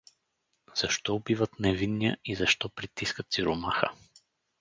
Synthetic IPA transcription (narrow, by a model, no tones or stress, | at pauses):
z̥ɐʃt̪ɔbivət̪nɛvinːijəizɐʃt̪ɔpɾit̪iskət̪siɾʊmaxə̰